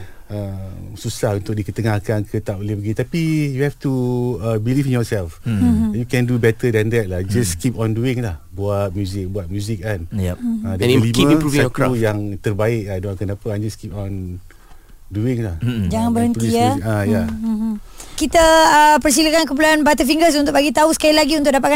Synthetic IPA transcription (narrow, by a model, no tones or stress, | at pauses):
əmsusahunt̪ʊk̚dikət̪əŋahkankʰət̪aʔolɪhpəɡit̪apijuhɛftuəbilifĩnjɔsɛlfjukɛ̃ndubɛt̪ədɛ̃nd̪ɛt̪̚lahd͡ʒaskipɔ̃nduɪŋlahbuat̪̚mjuzɪk̚buat̪̚mjuzɪk̚anadəliməuɛtujaŋt̪ərbaɪk̚adoãkənapaad͡ʒaskip̚ɔ̃n | duɪŋlahd͡ʒaŋanbəhənt̪iaaja | kit̪əəpərs̬iləkank̬əpuluanbat̪̬əfiŋɡəs̬unt̪ʊkbaɡit̪ausə̥kailaɡiunt̪ʊʔ̚dap̬at̪̚ka